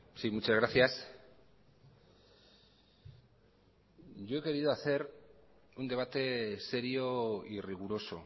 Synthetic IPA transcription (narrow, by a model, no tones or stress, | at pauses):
simut͡ʃazɣɾaθjas | ʝo̞e̞ke̞ɾið̞o̞aθe̞ɾ | und̪e̞β̞at̪e̞se̞ɾioiriɣ̞uɾo̞so̞̰